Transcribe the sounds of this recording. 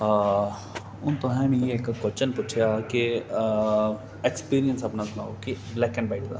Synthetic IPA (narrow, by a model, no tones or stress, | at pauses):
ʊnt̪ʊɦɛ̃mẽeekkot͡ʃənpʊt͡ʃʰjaki | ekspiːɾijənsɐpnasʊnaːo̰kiblɛːkɛ̃nbaɪʈd̪a̰ː